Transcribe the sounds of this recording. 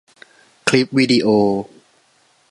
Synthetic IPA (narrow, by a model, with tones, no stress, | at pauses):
kʰli˦˥p̚wiː˧diː˧ʔoː˧